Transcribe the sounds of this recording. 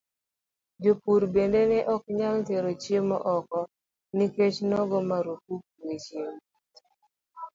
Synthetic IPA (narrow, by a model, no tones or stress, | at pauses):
d͡ʒopuɾbendenɛʔɔkɲalt̪eɾot͡ʃjemɔ̰ʔɔkɔ | niket͡ʃnɔɡɔmaɾokuk̚wet͡ʃem